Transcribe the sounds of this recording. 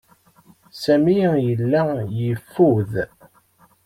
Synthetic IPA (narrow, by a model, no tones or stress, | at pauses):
sæmijəlːæjəfːuð